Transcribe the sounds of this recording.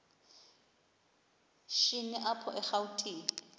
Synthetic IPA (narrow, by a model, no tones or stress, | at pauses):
ʃinɛʔapʰɔʔɛχautʰʼiː